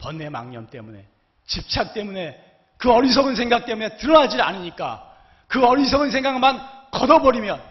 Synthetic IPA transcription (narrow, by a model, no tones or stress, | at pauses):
pʌnːe̞ma̰ŋɲʌmt͈e̞̰mune̞ | t͡ɕip̚t͡ɕʰak̚t͈e̞mune̞ | kɯʌɾis̬ʰʌɡɯnsʰe̞ŋɡak̚t͈e̞mune̞tɯɾʌnɦad͡ʑiɾa̰niɲik͈a̰ | kɯʌɾis̬ʰʌɡɯns̬ʰe̞ŋɡaɡɯmankʌdʌbʌɾimjʌn